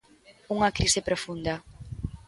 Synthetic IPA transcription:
uŋɐkɾisɪpɾofund̪ɐ

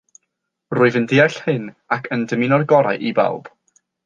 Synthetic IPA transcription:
rʊːɨvəndɪaɬhɨn | akʰəndəminɔrɡɔɾa̰jʔiba̰lˠb̥

